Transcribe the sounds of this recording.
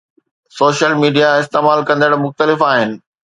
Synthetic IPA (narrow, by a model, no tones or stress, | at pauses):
soːʃəlmiːɖijaɪst̪eːmaːlkɐ̃nd̪əɽmʊxt̪əlɪfaːɦɪnɪ̆